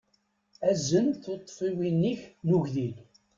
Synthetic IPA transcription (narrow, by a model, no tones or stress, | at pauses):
æzənθot̪ˤːfiwinːiçnuʝðil